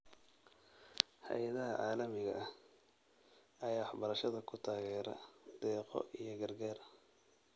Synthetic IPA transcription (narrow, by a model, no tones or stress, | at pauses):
hɐ̰jɐðɐɦɐʕaːlɐmɪɣɐʔɐh | ɐjaːwɑħbɐɾɐʃɐðɐkʰʊt̪ʰaːɣɛːɾɐ̰d̪̥ɛːqɔ̰ijɞɡɐrɡaːr